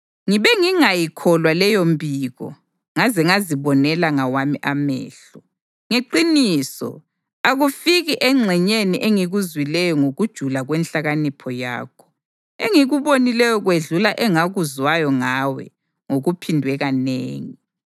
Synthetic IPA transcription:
ŋiβɛŋiŋajikʰɔlwalɛjombʱiːɣɔ̰ | ŋazɛŋaziβɔnɛlaŋawamiʔamɛ̰ːɬɔ | ŋeǃiniːsɔ̰ | aɣufiɣiʔɛŋ͡ǁʱɛɲeniʔeŋiɣuzwilɛjɔŋoɣud̥ʒ̥ʱulaɣwɛnɬaɣanipʰɔja̰ːkʰɔ̥ | eŋiɣuβonilɛjɔɣweɮulaʔɛŋaɣuzwajɔŋawɛ̰ | ŋoɣupʰindʱwɛɣanḛːŋi

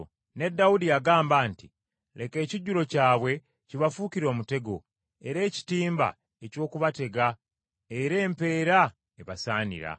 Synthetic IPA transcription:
ne̞dːaudijaɡaːmbaːnti | lʔe̞ke̞ːciɟulo̞caːβwe̞ | ciβafukiɾo̞ːmute̞ɡo̞ | e̞ɾe̞ːci̥tiːmba̰ | e̞co̞ːkuβate̞ɡa | eɾe̞ːmpe̞ːɾa | eβasaːnḭɾa̰

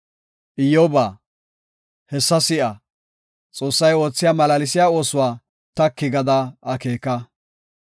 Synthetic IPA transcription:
ʔɪjoːbaː | hɛsːɐsɪʔɐ | t͡sʼo̞ːsːɐjo̞ːt͡sːɪjaːmɐlɐlɪs̬ɪjaːo̞ːsʊwaː | t̪ɐkːɪɡɐd̪ɐɐkeːkːɐ

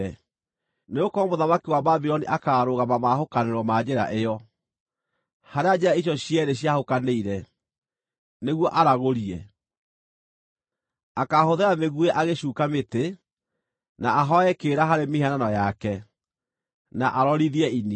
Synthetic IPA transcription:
ɛ | neɣokɔɔmoðamakiwababiɾɔniʔakaɾoɣamamahokaneɾwɔmad͡ʑeɾa̰ʔejɔ | haɾead͡ʑeɾaiɕjɔɕiɛɾeɕjahokaneiɾɛ | neɣwɔʔaɾaɣoɾiɛ | akahoðeɾameɣueʔaɣeɕuːkamete | naaɦɔɛkeːɾaɦaɾemihananɔjakɛ | naʔaɾɔɾiðiɛini

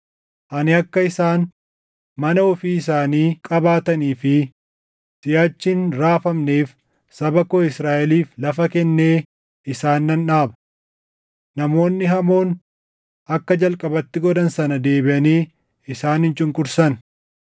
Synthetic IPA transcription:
ʔɐnɪɐkːɐɪsaːn | mɐnɐɔfiːɪs̬aːniːkʼɐbaːt̪ɐniːfɪ | sɪjaːt͡ʃːɪnɾaːfɐmneːf | sɐbɐkoːɪsɾaːʔɛliːflɐfɐkɛnːe̞ː | ʔɪsaːnːɐnᶑaːbɐ̥ | nɐmo̞ːnːɪɦɐmo̞ːn | ʔɐkːɐd͡ʒɐlkʼɐbɐt̪ːɪɡɔd̪ɐnsɐnɐd̪e̞ːbɪʔɐniː | ɪsaːnhɪnt͡ʃʼɪŋkʼʊɾsɐn

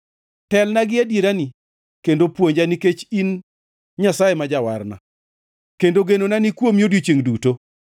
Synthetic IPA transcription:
tɛlnaɡɪadjeɾani | kendopwoɲd͡ʒaniket͡ʃin | ɲasajemad͡ʒawa̰rna̰ | kendoɡenonanikwomjodjot͡ʃeŋduto

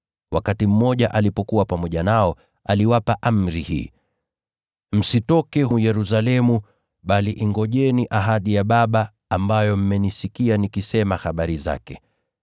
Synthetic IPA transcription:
wakatim̩mɔʄaʔalipɔkuwapamɔʄanaɔ | aliwapaʔam̩ɾihḭː | m̩sitɔkɛhɦujɛɾusalɛmu | ɓaliʔiŋɡɔʄɛniʔaɦaɗijaɓaɓaː | mbajɔm̩mɛnisikianikisɛmahaɓaɾiza̰kɛ

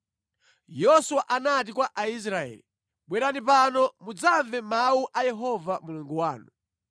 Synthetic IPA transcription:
jɔsuwaʔanat̬ikwaʔais̬ɾaɛ̰ːli | ɓwɛɾanipanɔmud͡zaɱvɛmauʔajɛɦɔvamuluŋɡuwaːnu

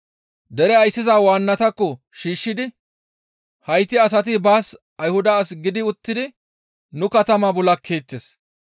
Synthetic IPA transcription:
d̪ɛɾɛɐjsːɪzaːwaːnːɐt̪ɐkːɔ | ʃiːʃːɪd̪ɪ | hɐjt̪ːɪɐs̬ɐt̪̬ɪbaːs | ɐjhʊd̪ɐːsɡɪd̪ɪʊt̪ːɪd̪ɪ | nʊkɐt̪ɐmabɔlɐkʰːe̞ːt͡ʃːes

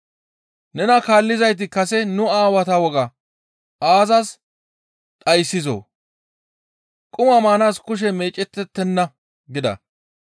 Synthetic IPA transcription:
nɛnɐkaːlːɪzɐjt̪̬ɪkɐsɛnʊaːwɐt̪ɐwɔɡɐ | aːzɐs | t̪ʼɐjsːɪzo̰ː | kʼʊmɐmaːnaːskʊʃ̬ɛme̞ːt͡ʃʼɛt̪ːɛt̪ːɛnːɐ | ɡɪd̪ɐ̰

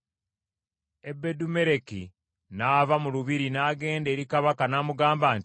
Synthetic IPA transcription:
e̞bːe̞dume̞ɾe̞ki | naːvamuluβiɾinaːɡe̞ːnde̞ːɾikaβakanaːmuɡaːmbaːn

